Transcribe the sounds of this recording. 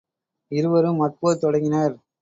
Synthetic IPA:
ɪɾɯʋɐɾɯmːɐpːoːt̪ɔɽɐŋɡɪnɐɾ

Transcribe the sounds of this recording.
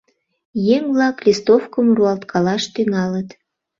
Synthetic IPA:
jeŋvlɑklʲist̪ofkəmruɑlt̪kʰɑlɑʃt̪yŋɑlət̪

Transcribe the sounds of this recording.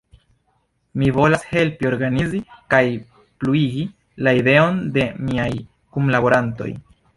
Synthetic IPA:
mivo̞lashe̞lpio̞ɾɡanizikaj | pluiɡi | laide̞o̞nde̞miaj | kumlabo̞ɾanto̞̰j

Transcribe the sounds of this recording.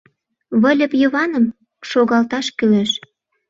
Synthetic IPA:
βə̆lʲə̆pjəβɑnə̆m | ʃoɣɑlt̪ɑʃkyleʃ

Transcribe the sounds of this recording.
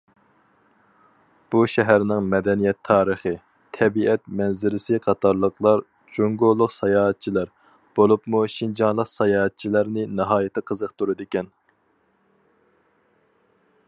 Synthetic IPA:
b̥uʃɛɦæɾnɪŋmɛd̪ɛnijɛt̪ʰːɑːɾəχɨ | t̪ʰɛbiɛt̪mɛnzɪɾɪsɪqʰɑt̪ʰɑɾlˠəqlˠɑɾ | d͡ʒoŋɡolˠːʊqsɑjɑːɦɛt̪̚t͡ʃʰilæɾ | b̥olˠupmuʃind͡ʒɑnlˠəqsɑjɑːɦɛt̪̚t͡ʃʰilæɾnɪnɨɦɑːjɪt̪ʰɨqʰəzəqt̪ʰuɾɨd̪ɪkʲɛn

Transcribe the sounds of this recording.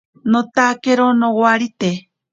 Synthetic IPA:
not̪akeɾonowwaɾit̪e

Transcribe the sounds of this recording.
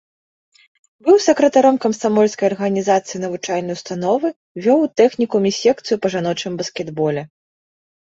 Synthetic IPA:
bɨwsɐkɾɐt̪aɾɔmkɐmsamɔlʲskɐjɐrɣɐnʲizat̪sɨjinɐvɨt͡ʂajnɐjust̪an̪ɔvɨ | vʲɔwt̪ɛxnʲikumʲisʲɛk̚t̪sɨjupɐʐanɔt͡ʂɨmbɐskʲɛd̪bɔlʲɛ

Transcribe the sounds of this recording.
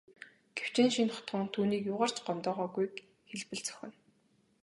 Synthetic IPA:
ɡ̥ew̥t͡ɕeːnʃinχɔ̥t̪ɢə̆ŋt̪ʰuːniːkjʊːʁaːr̥t͡ɕɢɔnt̪ɔːʁɔːɡujk | xeɮpɘ̆ɮt͡sœ̥xʲɪ̆n

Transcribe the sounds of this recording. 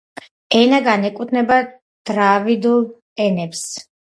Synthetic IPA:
ɛnaɡanɛkʼut̪ʰnɛba | d̪̥ɾavid̪ulˠ | ɛnɛps

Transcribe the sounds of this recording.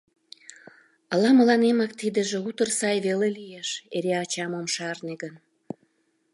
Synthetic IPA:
əlɑmə̆lɑnemɑkt̪id̪ĕʒeut̪ərsɑjβelelijeʃeɾeɑt͡ɕɑmomʃɑrneɡən

